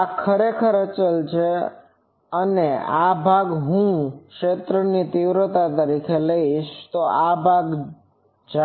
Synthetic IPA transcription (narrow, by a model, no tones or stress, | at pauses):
akʰəɾekʰəɾət͡ʃəlt͡ʃʰe | əneabʱaɡɦũkʃet̪ɾənit̪iʋɾət̪at̪əɾikʰeləiʃt̪oabʱaɡ | d͡ʒ